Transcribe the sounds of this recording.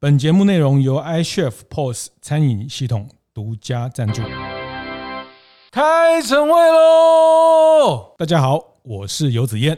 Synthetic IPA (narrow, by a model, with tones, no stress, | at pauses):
pə˨˩nt͡ɕjɛ˧˦mu˥˧ne˥˩ɪɻʊ˧˥ŋjo˧ʊa˥ɪʂɛ˥˩fpʰɔ˥˩st͡sʰa˦˥ni˨˩nɕi˥˩t̪ʰʊ˨˩ŋ | t̪u˧˥t͡ɕja˥ʈ͡ʂa˥˧nʈ͡ʂṵ˥˩ | kʰa˦˥ɪt͡sʰə˧˥ŋwe˥˩ɪlə˨ | t̪a˥˧˩t͡ɕja˥xɑ˨˩˦ʊ | wɔ˨˩ʂɻ̩˥˩jo˧˥ʊt͡sɹ̩˨˩jɛ˥˨n